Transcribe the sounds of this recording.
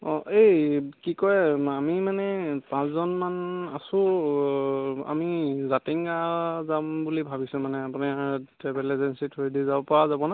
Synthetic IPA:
ɔʔejkikɔjamimanɛpãszɔnmana̰sʊ̃ | a̰mizatiŋɡazambulibʱabisʊ̃manɛapunitɛbɛlɛzɛnsitʰoɹidizabɔpaɹazabɔna

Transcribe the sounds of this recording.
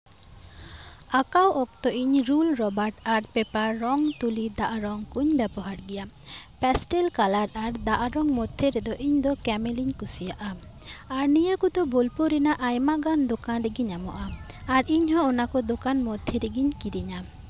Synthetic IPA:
akawɔkt̪ɔʔiɲɾulɾɔbaɾʈaɾpɛpaɾːɔŋt̪ulid̪aʔaɾɔŋkuɲbɛbɔɦaɾɡɛja | pɛsʈelkalaɾaɾd̪aʔaɾɔŋmɔd̪ʱːeɾed̪ɔʔiɲd̪ɔkɛmeliɲkusijaʔa | aɾnijakud̪ɔbolpuɾinaʔajmaɡand̪okanɾeɡiɲamɔ̰ʔaː | ɾiɲɦɔ̃ɔnakɔd̪okanmɔd̪ʱːeɾeɡiɲkiɾiɲa

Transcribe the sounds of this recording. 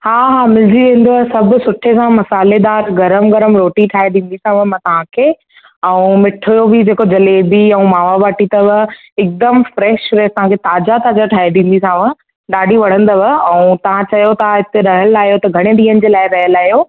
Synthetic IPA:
haːɦaːmɪld͡ʑiʋẽːn̆d̪osɐbʱʊ̆sʊʈʰekʰãmɐsaːled̪aːɾɡɐɾəmɡɐɾəmɾoːʈiʈʰaːɦeɗĩːn̆d̪isʰãʋə̃mɐ̃t̪ɐʋ̤ãkʰeː | ɛ̃ũmɪʈʰjobɪd͡ʑeːkod͡ʑɐleːbiɛ̃ũmaːʋabaːʈit̪ɐʋə | ɪk̚d̪əmfɾɛːʃʋeːst̪ɐɦãkʰet̪aːd͡ʑat̪aːd͡ʑaʈʰaːɦeɗĩːn̆d̪isãːʋə | ɗaːɖʱiʋɐɽ̤ə̃nd̪ɐʋəɛ̃ũt̪ɐʋ̤ãt͡ɕɐjot̪aɦɪt̪eɾɐɦəlaːɦijot̪ɐɡʱɐɽ̃eɗĩːənɪ̆d͡ʑeːlaːɪɾɐɦəlaːɦijo

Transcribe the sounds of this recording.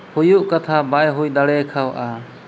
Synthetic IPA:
hujuʔkat̪ʰabajɦujd̪aɽɛkʰawʔa

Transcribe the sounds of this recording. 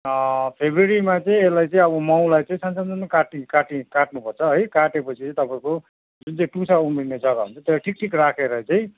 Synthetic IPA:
pʰebreɾimat͡sʌĩeslajt͡sʌ̃ĩʌβʌmaw̃lajt͡sʌĩsansanamakaʈikaʈikaʈ̚nupʌrt͡sʰʌɦʌjkaʈepʌt͡sʰiãĩt̪ʌpãĩko | d͡zunt͡saĩʈusaumerned͡zʌɡaɦṵnt͡sʰʌt̪elajʈʰik̚ʈʰikrakʰeɾajt͡saĩ

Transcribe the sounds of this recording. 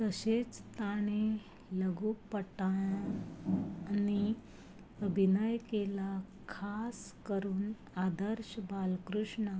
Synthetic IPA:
t̪əset͡st̪aɽ̃e | ləɡuːpːəʈa | ni | əbʱinajkela | kʰaskəɾuːn | ad̪əɾɕbalkɾuʂɳa

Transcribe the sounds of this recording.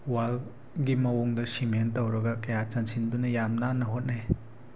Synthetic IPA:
wal | ɡimɐwoŋdɐsimentowɾɐɡɐkɐjat͡ʃɐnsindunɐjamnanɐɦot̚naj

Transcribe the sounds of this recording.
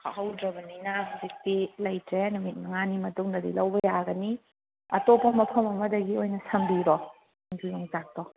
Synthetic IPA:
kahɐwdɾɐbɐninɐɦuzik̚tilɐjtɾenumit̚mɐŋanimɐtuŋnɐdḭlɐwbɐjaɡɐni | ɐtopɐmɐpʰɐmɐmɐdɐɡiojnɐsɐmbiɾɔ | ŋtʰujoŋzak̚tɔ

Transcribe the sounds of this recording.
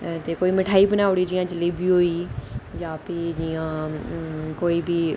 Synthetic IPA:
t̪eːkoːiːməʈʰaːiːbənaːʊɽiːd͡ʒɪjãːd͡ʒɪliːbʱiːɦoːiːjãːpid͡ʒɪjãː | koːiːbiː

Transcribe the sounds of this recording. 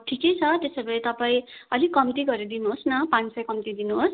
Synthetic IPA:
ʈʰiket͡sʰʌt̪esebʱʌɾit̪ʌpaĩʌlikʌmt̪iɡʌɾed̪inuɦosnʌpãnt͡ssʌjkʌmt̪id̪inuɦos

